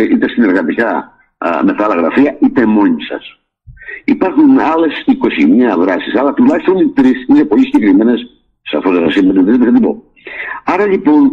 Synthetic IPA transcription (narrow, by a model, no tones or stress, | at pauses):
ʔit̪est̪ine̞ɾɣɐt̪ikɐ | meθɐlɐɣɾɐfiɐit̪emo̞ɲisɐ̰s | ipɐɾxunɐle̞siko̞siɲɐɐvɾɐsisɐlɐt̪ulɐçi̥st̪o̞nit̪ɾisine̞po̞ʎisiɲɟe̞kɾime̞nes | sɐ̰fozesɐsimːet̪it̪ɾit̪eset̪ibo̰ | ɐɾɐʎipo̞n